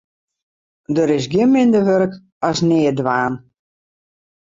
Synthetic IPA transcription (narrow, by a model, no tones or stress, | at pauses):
dəɾɪs̬ɡɪnmɪndərʋøɾk | ɔsnɪːdʋaːn